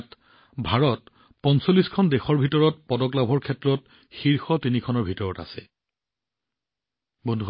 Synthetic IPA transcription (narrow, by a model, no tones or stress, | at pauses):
t | bʱaɹɔt | pɔnsolːiskʰɔndɛxɔɹbʱitɔɹɔt̚pɔdɔklabʱɔɹkʰɛtɹɔt | xiɹxɔtinikʰɔnɔɹbʱitɔɹɔta̰sɛ | bɔndʱu